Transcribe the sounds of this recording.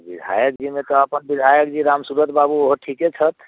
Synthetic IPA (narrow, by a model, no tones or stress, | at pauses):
bid̪ʱa̰jəkd͡ʒimet̪ɔːpənbid̪ʱajək̚d͡ʒiɾamsuɾət̪babuoɦoʈʰiket͡ʃʰət̪ʰ